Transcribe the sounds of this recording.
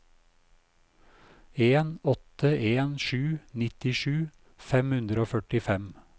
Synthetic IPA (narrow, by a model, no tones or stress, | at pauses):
eːnɔt̪əʔeːnʃʉːnɪt̪ɪʃʉː | fɛmhʉnd̪ɾəoːfœʈɪfɛm